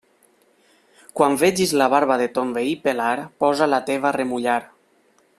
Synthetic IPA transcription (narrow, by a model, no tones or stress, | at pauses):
kwaɱbed͡ʒizlaβaɾβaðet̪ombeipelaɾpɔzalat̪eβ̞aremuʎaɾ